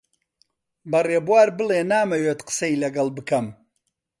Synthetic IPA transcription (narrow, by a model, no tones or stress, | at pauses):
bɐreːbwaːɾbɨleːnaːmɐweːt̪qə̥sɐilɐɡɐlbɨkʰɐm